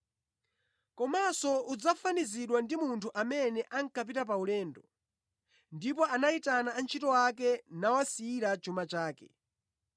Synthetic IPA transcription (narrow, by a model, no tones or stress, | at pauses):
kɔmasɔud͡zafaniziɗwandimuntʰuʔamɛnɛʔaŋ̩kap̬itap̬aulɛːndɔ | ndip̬ɔʔanaitanaːnt͡ʃʰitɔwak̬ɛnawasiiɾat͡ʃumat͡ʃaːkɛ